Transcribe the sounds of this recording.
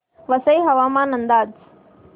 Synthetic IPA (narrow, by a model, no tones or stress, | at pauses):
ʋɐsɐjɦɐʋaːmãːnɐnd̪aːd͡z